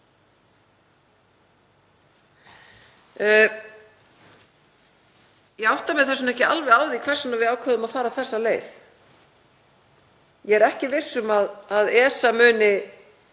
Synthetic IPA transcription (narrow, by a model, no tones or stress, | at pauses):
jɛɣawht̪amɛθɛsʏmɛhcɪa̰lvɛaːwðikʰvɛr̥sanavɪðaːwkʰvœːðʏmaðfaːɾaθɛsːaleːjθ | jɛɛɾɛhcɪvɪsːʏmaðaðɛːsamʏːnɪ